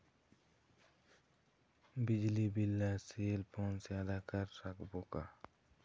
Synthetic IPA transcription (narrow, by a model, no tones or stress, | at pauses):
bid͡ʑlibilːaselpɔnsead̪ʱakaɾsakboka